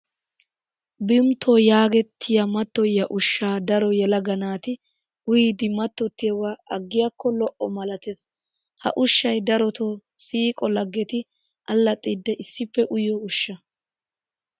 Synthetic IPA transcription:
bɪmt̪ʰojaːɡɛt̪ʰːɪjɐmɐt̪ːɔjːɐʔʊʃːaːd̪ɐɾɔjɛlɐɡɐnaːt̪ɪ | hʊjɪd̪ɪmɐt̪ːɔt̪ːɪjɐwaʔɐɡːɪjɐkːɔlɔʔɔmɐlɐt̪es | hɐ̰ʔʊʃːɐjd̪ɐɾɔt̪o | siːkʼɔlɐɡːɛt̪ɪ | ʔɐlːɐt̪ʼːɪd̪ːɛʔɪsːɪpːɛʔʊjɔʊʃːɐ

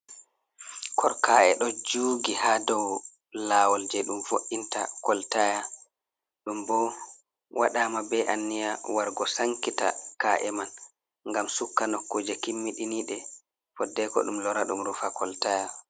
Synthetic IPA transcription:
kʰɔɾkaːɛ̰ɗɔd͡ʒuːɡihadɔw | laːwɔld͡ʒɛɗumfoʔːinta̰kɔltaja | ɗumbɔ | waɗaːmabɛʔanːijawaɾɡɔsaŋkita̰kaʔɛman | ŋɡamsukːanɔkːod͡ʒɛkimːiɗiniɗɛ | fɔdːɛkɔ̰ɗumlɔɾaɗumɾufakɔltaja

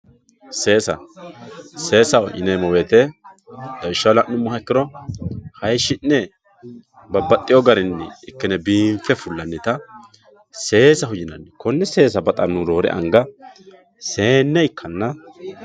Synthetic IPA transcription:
se̞ːsɐ̰ | se̞ːsɐwʔɪ̰nɛjmɔweːt̪ɛ | d̪ɐwɪʃːɐwlɐʔʊmːʊhɐɪkːɪɾɔhɐjʃːɪnːɛ | bɐbɐt̪ʼːɪjɔɡɐɾɪnːɛɪkːɛnɛbiːɱfɛfʊlːɐnːɪt̪ɐ | se̞ːsɐhʊd͡ʒɪnɐnːɪkɔnːɛse̞ːs̬ɐbɐt̪ʼɐnːʊɾo̞ːɾɛ̰ʔɐ̰ŋɡɐ | se̞ːnːɛɪkʰːɐnːɐ

